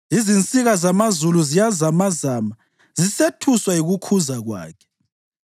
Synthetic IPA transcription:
izint͡sʼiɣazamazuluzijazamazaːma | zisetʰuswaiɣukʰuzaɣwa̰ːkʰɛ̥

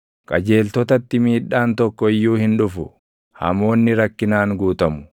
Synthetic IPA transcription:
kʼɐd͡ʒe̞ːlt̪ɔt̪ɐt̪ːɪmiːᶑːaːnt̪ɔkːɔɪjːuːhɪnᶑʊfʊ | hɐ̰mo̞ːnːɪɾɐkːɪnaːŋɡuːt̪ɐmʊ̥

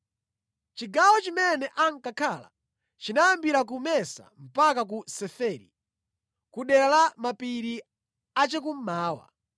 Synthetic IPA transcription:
t͡ʃiɡawɔt͡ʃimɛnɛʔaŋkakʰala̰ | t͡ʃinajambiɾak̬umɛsa̰m̩pakak̬usɛfɛːɾḭ | kuɗɛɾalamapiɾi | at͡ʃɛk̬um̩maːwa̰

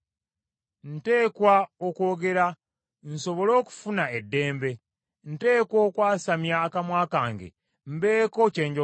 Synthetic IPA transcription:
n̩te̞ːkwaokwo̞ːɡe̞ɾa | n̩so̞βo̞lo̞ːku̥funaedːe̞ːmbe̞ | n̩te̞ːkwoːkwaːsamjaːkamwaːkaːŋɡḛ | m̩be̞ːko̞ce̞ːɲɟo

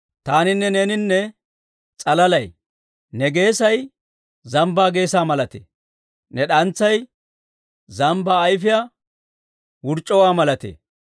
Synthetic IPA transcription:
t̪aːnɪnːɛnenɪnːɛ | t͡sʼɐlɐlɐj | nɛɡe̞ːsɐj | zɐmbaːɡe̞ːsaːmɐlɐt̪ḛː | nɛɗɐnt͡sːɐj | zɐmbaːjfɪja | wʊɾt͡ʃʼːɔwaːmɐlɐt̪ḛː

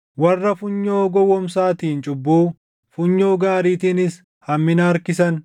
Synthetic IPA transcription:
wɐrːɐfʊɲːoːɡɔwːɔmsaːt̪iːnt͡ʃʼʊbːuː | fʊɲːoːɡaːɾiːt̪inɪs | hɐmːɪnɐːɾkɪsɐn

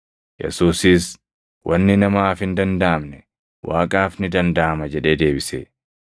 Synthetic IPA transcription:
jɛ̰suːsiːs | wʔɐnːɪnɐmaːfhɪnd̪ɐnd̪aːmnɛ | wʔaːkʼaːfnɪd̪ɐnd̪aːmɐd͡ʒɛᶑe̞ːd̪e̞ːbɪsḛː

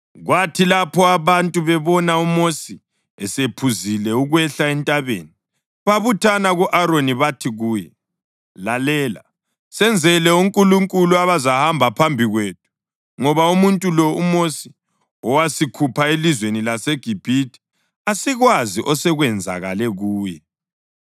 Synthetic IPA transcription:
ɣwatʰilapʰɔaβantʼuβɛβɔnaumosi | ɛsepʰuzilɛuɣwɛɬaɛntʼaβḛːni | βaβutʰanaɣuʔaɾoniβatʰiɣuːjɛ | lalɛːla̰ | sɛnd͡zʱɛlɛuŋkʼuluŋkʼuluaβazahambʱapʰambʱiɣweːt̚ʰu̥ | ŋɔβaumuntʼulɔumosi̥ | ɔwasikʰupʰaelizwenilaseɡ̥ʱib̥ʱiti̥ | asiɣwaziʔɔsɛɣwɛnd͡zʱa̰ɣa̰lɛɣuːjɛ

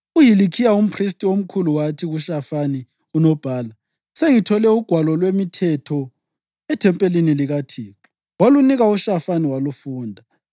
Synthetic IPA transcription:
ujilikʰijaum̩pʰristʼiom̩kʰuluwatʰiɣuʃafani | unɔb̥ʱaːla | seŋitʰɔlɛuɡ̥ʱwalɔlwemitʰɛtʰɔ | ɛtʰɛmpʼeliniliɣatʰiːǁɔ | waluniɣauʃafaniwalufuːndʱa

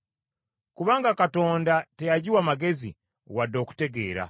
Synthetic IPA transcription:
kuβaːŋɡakato̞ːndatejaɟiwaːmaɡe̞zḭ | wado̞ːku̥te̞ɡe̞ːɾa̰

